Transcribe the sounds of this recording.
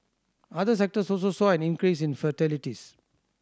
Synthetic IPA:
ad̪əs̬ɛk̚ʈəsɔlsosɔːɛ̃nĩnkɾiːs̬ĩnfətɛliʈis

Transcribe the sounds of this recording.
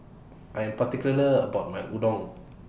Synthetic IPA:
ʔãjɛ̃mpat̪ikuləəbaʊt̚mãnudɔ̃ŋ

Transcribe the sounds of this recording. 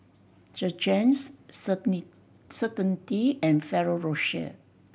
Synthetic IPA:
d͡ʒəd͡ʒɛ̃ns | sətə̃ntiɛ̃nfɛɹoɹoʃə̰

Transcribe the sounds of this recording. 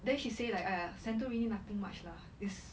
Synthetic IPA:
dɛ̃nʃiselaɪkasɛ̃nt̬əɹĩnĩnat̪ɪ̃ŋmat͡ʃla | dɪs

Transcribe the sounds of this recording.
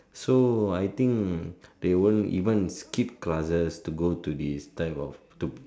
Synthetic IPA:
soajt̪ĩŋkd̪ewõnḭvə̃nskip̚klasəstuɡotudistaɪpɔf | tu

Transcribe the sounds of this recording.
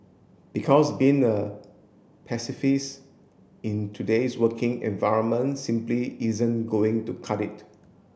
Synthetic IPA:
b̥ikʰɔsbĩŋə | pʰɛsɪfis | ɪ̃ntʰudeswəkɪ̃ŋɛ̰̃nvaɪɹə̃nmə̃ntsĩmpliizə̃nɡoɪ̃ŋtukʰaɾit

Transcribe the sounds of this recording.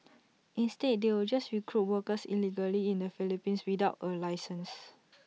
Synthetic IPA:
ʔĩnstet̚dewild͡ʒasɹikʰɹut̚wəkəsḭliɡəliĩndəfilipĩnswidaʊtəlajsə̃ns

